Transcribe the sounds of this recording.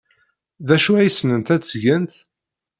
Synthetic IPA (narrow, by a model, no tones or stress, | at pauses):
ðæʃuæjəsːnənt̪æt͡sːʝənt̪